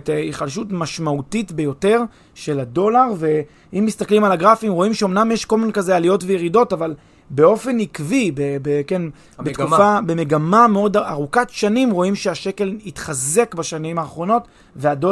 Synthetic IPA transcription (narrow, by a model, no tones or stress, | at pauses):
teiχalʃutmaʃmautitbe̞jo̞te̞ʁ | ʃe̞lado̞laʁve̞ | imːist̪aklimalaɡʁafimʁo̞imʃeo̞mnamjeʃko̞lminkazealijo̞tvejeʁido̞taval | beo̞fe̞nikvibebeken | bet̪ɡkufabemeɡamameo̞daʁukatʃanimʁo̞imʃeaʃe̞ke̞litχaze̞kbaʃanimhaːχʁo̞no̞t | veado